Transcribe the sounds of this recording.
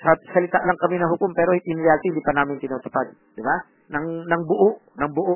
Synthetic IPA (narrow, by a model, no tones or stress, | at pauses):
sɐsɐlɪt̪aʔlɐŋkɐmɪnɐɦʊkompɛːɾoɪnɾɛalt̪iɪnd̪iːpɐnaːmɪnt̪ɪnuːt̪ʊ̥pad̪̚d̪̥ɪba | nɐŋnɐŋbʊʔoʔnɐŋbʊʔoʔ